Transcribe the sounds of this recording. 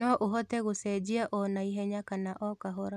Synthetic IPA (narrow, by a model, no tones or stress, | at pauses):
ɔʔoɦɔtɛɣosɛd͡ʒiaʔɔnaiɦɛɲakanaʔɔkaɦɔɾa